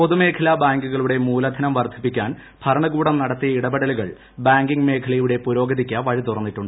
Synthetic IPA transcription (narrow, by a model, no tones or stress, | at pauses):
po̞ðume̞ːkʰɐlabaːŋɡuɣɐɭuɽe̞muːlɐd̪ʱɐnɐmʋɐrd̪ʱi̥pːikʲːaːn | bʰʱɐɾɐɳɐɡuːɽɐmnɐɽɐt̪ːijɐiɽɐbɐɽɐluɣɐ̰ɭ | baːŋɡiŋme̞ːkʰɐlɐjuɽe̞puɾo̞ːɡɐðikʲːɐʋɐɻit̪urɐnːiʈːuɳɖɨ